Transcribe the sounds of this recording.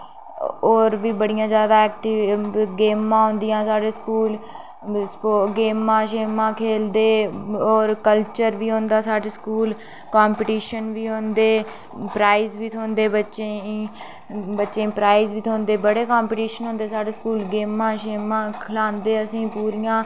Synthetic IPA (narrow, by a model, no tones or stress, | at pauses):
oːɾʋiːbəɽɪjãːzjaːd̪aːɛːk̚ʈiɡeːmãːɦõːnd̪ɪjãːsaːɖeːskuːl | spoːɡeːmãːʃeːmãːkʰeːld̪eːoːɾkəlt͡ʃəɾʋiːɦõːnd̪aːsaːɖeːskuːl | kaːmpːʈiːʃənʋiːɦõːnd̪eː | pɾaːiːzʋiːt̪ʰoːnd̪eːbətːʃeiː | bətːʃẽːiːpɾaːizʋiːt̪ʰoːnd̪eːbəɽeːkaːmpɪʈiːʃənɦõːnd̪eːsaːɖeːskuːlɡeːmãːʃeːmãːkʰlaːnd̪eːəsĩːpuːɾijãː